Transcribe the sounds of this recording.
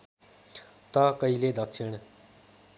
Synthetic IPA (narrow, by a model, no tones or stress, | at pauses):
t̪ʌkəiled̪əkʂʰɪɽ̃